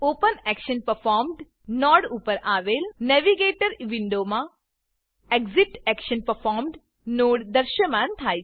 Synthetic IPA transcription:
oːpənɛkʃənpəɾfɔːɾmɖ | nɔːɽupəɾaːʋelnɛʋiɡeːʈəɾʋiɳɖomã | eɡzip̚ʈɛkʃənpəɾfʰɔːɾmɖ | noːɽd̪əɾʃəmãnt̪ʰaːj

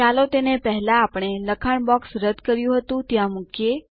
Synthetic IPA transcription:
t͡ʃalot̪enepəɦɛlaːpɳ̃eləkʰaɳbɔksɾəd̪ʱkəɾjũɦət̪ũt̪jãmũkje

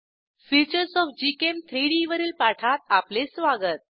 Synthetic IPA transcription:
fit͡ɕəɾsɔfd͡ʑikemt̪ʰɾiɽiʋəɾiːlpaʈʰat̪aplesʋaɡət̪̚

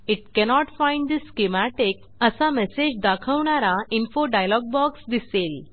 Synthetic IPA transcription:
iʈ̚kɛnɔʈfãjɳɖd̪iskemæʈek | əsamɛsed͡ʑd̪akʰəʋɳaɾainfoɖajlɔɡ̚bɔksd̪isel

